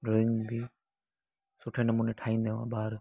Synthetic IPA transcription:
ɖoiŋbi | sʊʈʰeːnɐmuːneʈʰaːĩnd̪eʋã̰baːɾ

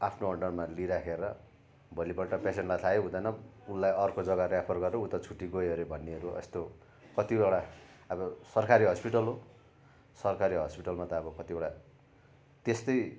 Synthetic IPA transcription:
apʰnoʌɳɖʌrmaliɾakʰeɾʌ | bʱʌlipʌʈʌpeseɳʈlajt̪ʰajeɦũd̪ʌnʌulːajʌrkod͡zʌɡarjapʰʌrɡʌɾɾuut̪ʌt͡sʰuʈːiɡojʌɾebʱʌnːeɦʌɾuʌ̰st̪o | kʌt̪ibeɽaʌbʌsʌrkaɾiɦʌspiʈʌlɦo | sʌrkaɾiɦʌspiʈʌlmat̪ʌːbʌkʌt̪ibeɽa | t̪est̪ʌj

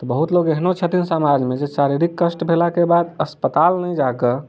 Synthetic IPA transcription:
t̪ɔbəɦut̪loɡeɦnot͡ʃʰət̪insamad͡ʒmed͡ʒesaɾiɾikːəsʈbʱelakebad̪əspət̪alnɛjd͡ʒakə

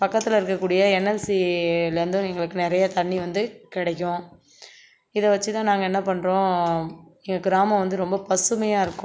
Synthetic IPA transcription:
pɐkːɐt̪ːɪlɪɾɯkːɐkːuːɽɪjɐɛnːɛlsilɐɾɯnd̪ʊ̃ɛŋɡɐɭɯkːɯnɪɾɐjɐt̪ɐɳːiʋɐnd̪ɯkɪɽɐkːʊ̃ | ɪðɐʋɐt͡ʃːɯt̪ãːnaːŋɡɐɛnːɐpɐɳːɾõː | ɛŋɡɐɡɪɾaːmɐ̃ʋɐnd̪ɯɾɔmbɐpɐsɯmɐjaːɪɾɯkːʊ̃

